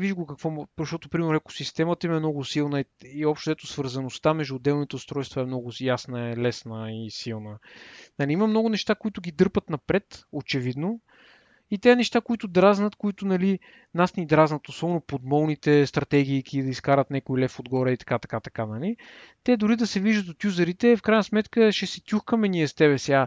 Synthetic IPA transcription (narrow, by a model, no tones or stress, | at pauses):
viʒɡokɐkvɔmpɾɛʃt̪ɔt̪ʊpɾimɛɾnɾɛko̥sist̪ɛmət̪əimɛmnɔɡʊsilˠnəiiɔpʃt̪od̪ɛt̪ʊsvəɾzɐnost̪amɛʒd̪uʊːd̪ɛlˠnit̪ɛʊst̪ɾɔjst̪vɐɛmnɔɡʊjasnəɛlɛsnəisilˠnənɐliiməmnɔɡʊnɛʃt̪akoit̪ʊɡʲid̪ɤɾpət̪nɐpɾɛt̪ot͡ʃɛvid̪no | it̪ɛɐnɛʃt̪akoit̪ʊd̪ɾaznət̪koit̪ʊnɐli | nasnʲid̪ɾaznət̪osɔbɛnopod̪mɔlˠnit̪ɛst̪ɾɐt̪ɛɡ̟ʲiːkʲid̪ɐiskaɾət̪nɛkoilɛfod̪ɡɔɾɛit̪ɐ̥kat̪ɐ̥kat̪ɐkanɐlit̪ɛd̪ʊɾid̪ɐsɛviʒət̪ot̪ʲjuzɐɾit̪ɛfkɾajnəsmɛt̪kəʃɛsɛt̪ʲjuxkəmɛniɛst̪ɛβɛsja